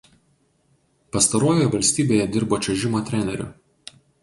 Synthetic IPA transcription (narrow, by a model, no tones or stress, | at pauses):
pɐst̪ɐɾoːjojɛʋɐlʲsʲt̪ʲiːbʲeːjɛd̪ʲɪɾboːt͡ʃʲɛʒʲɪmoːt̪ʲɾʲɛnʲɛɾʲʊ̰